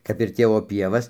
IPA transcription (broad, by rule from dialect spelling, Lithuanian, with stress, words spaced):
kɐp ɪr ˈtʲeːʋoː ˈpʲiɛʋɐs